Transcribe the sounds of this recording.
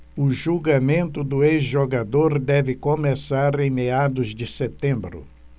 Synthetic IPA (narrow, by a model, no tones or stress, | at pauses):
ʊʒuɡamẽnt̪ʊd̪ʊezʒoɡad̪oɾd̪ɛvɪkomesaɾẽj̃mead̪ʊzd͡ʒɪset̪ẽmbɾʊ̰